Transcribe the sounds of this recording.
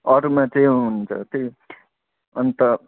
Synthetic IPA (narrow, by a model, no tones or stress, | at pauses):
ʌɾmat͡seĩɦuunt͡sʰʌ̰t̪i | ʌnt̪ʌ